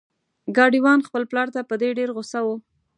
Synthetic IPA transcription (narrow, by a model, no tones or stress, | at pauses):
ɡɑɖiwɑnxpəlplɑɾt̪apəd̪eɖeɾɣʊsawo